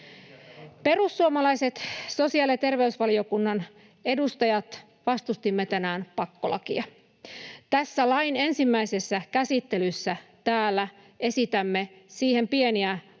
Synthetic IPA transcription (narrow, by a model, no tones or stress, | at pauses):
pe̞rusːuomɑlɑjse̞t̪so̞siɑliet̪e̞rʋe̞ysʋɑlio̞kunːɑn | e̞dust̪ɑjɑt̪ | ʋɑst̪ust̪imːet̪ænæːnpɑkːolɑ̰kiɑ | t̪æsːælɑjne̞nsimːæise̞sːækæsit̪ːe̞lysːæt̪æːlːæ | e̞sit̪æmːe̞siːhe̞mpie̞niæ